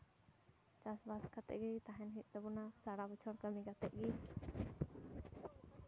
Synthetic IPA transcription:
t͡ʃasbaskat̪ɛ̰ʔɡit̪aɦɛnɦit̪̚ˀd̪ɛbunasaɽabət͡ʃʰɔɽkəmiɡat̪ɛʔ̚ɡi

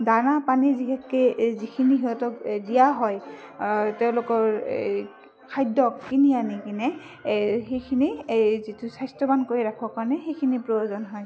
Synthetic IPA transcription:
danapaniziɦɛkːɛzikʰiniɦiɦɔtɔkdijaɦɔj | teʊ̃lʊkɔɹ | kʰajdɔkkinianikinɛ | xejkʰinizitʊsajstɔbankoɹiɹakʰɔkaɹɔnɛxejkʰinipɹoozɔnɦɔj

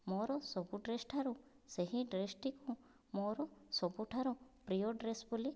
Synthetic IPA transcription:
mɔɾɔsɔbuɖɾesʈʰaɾu | seɦĩɖɾesʈiku | mɔɾɔsɔbuʈʰaɾupɾijoɖɾesbuli

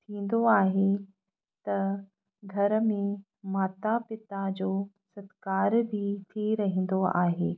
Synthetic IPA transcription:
t̪ʰĩːn̆d̪oaːɦe | t̪ɐ | ɡʱɐɾə̆mẽ | maːt̪apɪt̪ad͡ʑoː | sɐt̪kaːɾbʱit̪ʰiɾɐɦə̃n̆d̪oa̰ːɦeː

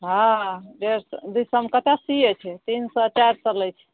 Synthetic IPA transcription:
ɦãɖeɾsd̪usəmkət̪asiət͡ʃʰɛt̪insɔt͡ʃaɾt͡ʃəlɛjt͡ʃʰɛ̥

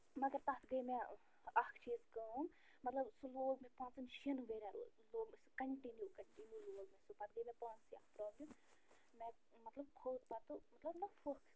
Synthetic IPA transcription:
mɐɡəɾt̪ɐt̪ʰɡɐimẽ | ɐkʰt͡ʃiːzkɐm | mɐt̪lɐbsuloːɡmẽpãːnsɨnʃɐnʋeːɾaɾṵ | loːmskɐɳʈinjukɐɳʈinjuːloːɡmẽsupɐt̪̚ɡɐimɛ̃paːnsiɐkʰpɾɔːblʲɐm | mẽ | mɐt̪lɐb̚kʰoːt̪̚pɐt̪umɐt̪lɐbnɐfokʰ

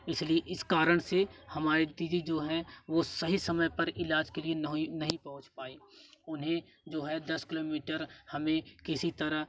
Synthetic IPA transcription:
ɪslieʔɪskaːɾəɽ̃sehɐmaːɾet̪id͡ʒid͡ʒoːɦɛʋosɐɦisɐməjpɐɾɪlaːd͡ʒkelieɐɦinɐɦĩpɐɦʊ̃t͡ʃpaːeːʊnɦẽ | d͡ʒoːɦɛd̪ɐskɪloːmiːʈəɾhɐmẽkɪsit̪ɐɾəɦ

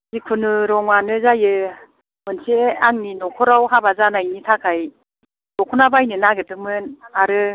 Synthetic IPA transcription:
zikʰɯnɯɾɔŋwanɯzajɯ | mɯnseaŋninɔkʰɔɾawɦabazanajnitʰakʰaj | nɔkʰɔnabajnɯnaɡɯtɯmɯnaɾɯ

